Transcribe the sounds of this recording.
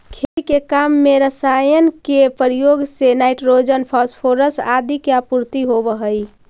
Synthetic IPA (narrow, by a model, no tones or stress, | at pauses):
kʰelikekamːeɾəsajənkepəɾijoɡsenajʈɾod͡ʒənpʰɔspʰoɾəsad̪ikjapuɾt̪iɦobəɦəj